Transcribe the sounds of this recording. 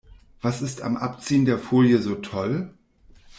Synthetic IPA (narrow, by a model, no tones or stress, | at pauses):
v̥asɪsta̰mʔa̰pt͡siːəndeːɐfoːljəzoːtʰɔl